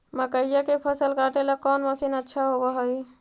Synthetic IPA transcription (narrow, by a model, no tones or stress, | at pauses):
məkəijakepʰəsəlkaʈelakɔnməsinətːʃʰaɦobəɦəj